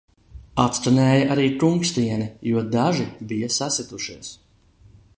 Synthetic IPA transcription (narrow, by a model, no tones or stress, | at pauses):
at̪st̪anɛːjaʔaɾiːt̪uŋkst̪iɛnijuɔd̪aʒibijasasit̪uʃiɛs